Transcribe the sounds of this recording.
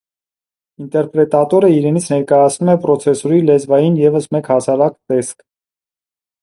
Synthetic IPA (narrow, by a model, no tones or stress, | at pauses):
int̪ɛɾpɾɛt̪ɑt̪ɔɾəiɾɛnit͡sʰnɛɾkɑjɑt͡sʰnumɛpɾɔt͡sʰɛsɔɾilɛzvɑjinjɛvəsmɛkhɑsɑɾɑkt̪ɛskʰ